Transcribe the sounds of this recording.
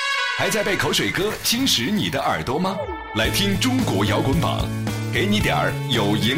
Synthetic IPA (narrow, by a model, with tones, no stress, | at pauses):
xa˧˥ɪt͡sa˥˧ɪpe˥˩ɪkʰo˧˥ʊʂwe˨˩kɤ˥ɕi˥nʂɻ̩˧˥ni˨˩d̪ə˦ʔə˞˨˩t̪wɔ˥mɐ˧ | la˧˥ɪt̪ʰi˥ŋʈ͡ʂʊ˥ŋkwɔ˧˥jɑ˧˥ʊkə˧˥npɑ̰˨˩˦ŋ | ke˧˥ɪni˧˥t̪jɑ̰˞˨˩˥jo˨˩ʊi˧˥